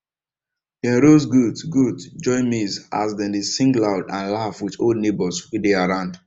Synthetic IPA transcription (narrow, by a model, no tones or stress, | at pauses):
dɛɹozɡudɡudd͡ʒɔɪmizazdɛ̃ndesĩŋɡlaʊdãnlafwɪtoldnebɔswideaɹãʊ̃nd